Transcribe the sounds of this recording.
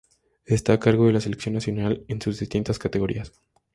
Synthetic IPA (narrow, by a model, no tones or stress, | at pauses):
est̪akaɾɣo̞ðe̞las̬ele̞ksjo̞nːasjonalensuzðist̪int̪askat̪e̞ɣo̞ɾḭas